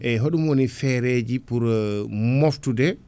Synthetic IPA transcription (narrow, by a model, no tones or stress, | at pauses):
ʔɛɦoɗumwonifɛɾed͡ʒipuɾmoftudɛ